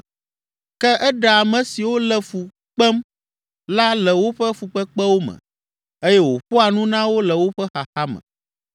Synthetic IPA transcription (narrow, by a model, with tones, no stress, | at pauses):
kɛ˦ʔɛ˦ɖa˨a˨mɛ̃˨si˨wo˦lɛ˦fu˨ | k͡pɛ˦m | la˦lɛ˨wo˦ɸɛ˦fu˨k͡pɛ˦k͡pɛ˦wo˦mɛ̰̃˨ | e˦jɛ˦wo˨ɸo˦a˨nũ˦nã˦wo˦lɛ˨wo˦ɸɛ˦xa˨xa˦mɛ̰̃˨